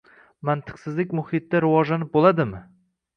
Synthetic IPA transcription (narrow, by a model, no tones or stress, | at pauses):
mant̪ʰɨ̥qsɪzlɪkʲmʊhɪt̪ːaɾɪvɒʒlanɪp̚bolˠad̪ɪmɪ